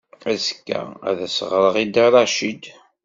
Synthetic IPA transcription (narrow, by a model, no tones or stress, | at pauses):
æskːæ̰æ̰ðæsəʁɾˤəʁid̪aɾˤɑʃid̪